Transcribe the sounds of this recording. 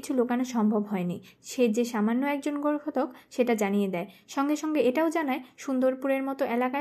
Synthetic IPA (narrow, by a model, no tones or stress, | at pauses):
it͡ɕʰulokaneʃɔmbʱobɦɔeniʃed͡ʑeʃamanːoɛk̚d͡ʑonɡoɾkʰot̪okʃeʈad͡ʑanijed̪ɛeʃɔŋɡeʃɔŋɡeeʈaod͡ʑanaeʃund̪oɾpuɾeɾmɔt̪oʔelaka